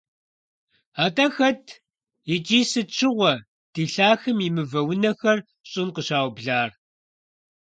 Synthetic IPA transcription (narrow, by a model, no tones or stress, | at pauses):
aːtʼɐxɐtʰ | it͡ʃʼiːsɨt͡ʃʰɪʁʷɔ | d̥iːɬaːxɨmimɨvɐwʊnɐxɐr | ɕʼɪnqəɕaːwbɮaːr